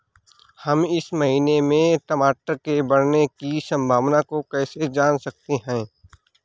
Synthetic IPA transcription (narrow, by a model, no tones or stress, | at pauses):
hɐmɪsmɐɦiːnemẽt̪ɐmaːʈəɾkebɐɽnekisɐ̃mbʱaːʋnakokɛːsed͡ʒaːnsɐk̚t̪eɦɛ̃ː